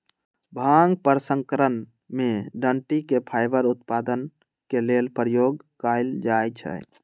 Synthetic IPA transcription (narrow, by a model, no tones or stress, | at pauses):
bʱaŋɡpəɾsə̃ŋkəɾən | meɖəɳʈikepʰajbəɾut̪pad̪ən | kelelpɾəjoɡkajld͡ʒajt͡ʃʰɛ̰